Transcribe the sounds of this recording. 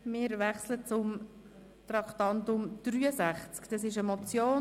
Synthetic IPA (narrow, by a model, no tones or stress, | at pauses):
mɪːɾʋɛχslət͡sʊm | t̪ɾɑkt̪ɑnt̪ʊmd̪̥ɾyːəsæχt͡skd̥ɑsɪʃəmɔt͡sjoː